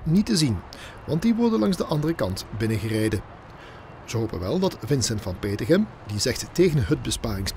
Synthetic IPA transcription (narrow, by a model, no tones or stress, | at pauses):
nitəzin | ʋɑnt̚diʋɔɹdənlɑŋzdəʔɑndərəkɑntbɪnəɣərejdə | z̥əɦowpə̰nʋɛlˠdɑtvɪnsɛntfɑnpeːtəχəm | dizɛxtːeːɣənɦət̚bəspaːrɪŋs